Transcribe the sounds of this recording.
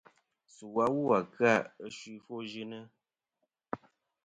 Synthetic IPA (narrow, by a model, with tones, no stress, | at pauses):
su˨wa˦wu˦a˨kɰa˦˨ə˦ʃwi˦fo˦ʒi˦nə˦